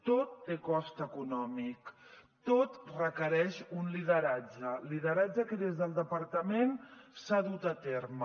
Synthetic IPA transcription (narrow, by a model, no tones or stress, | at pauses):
t̪ot̪ːekɔst̪əkunɔmik | t̪ot̪rəkəɾɛʃunliðəɾad͡ʒəliðəɾad͡ʒəkəðezðəlˠd̪əpəɾt̪əmensaðut̪ət̪eɾm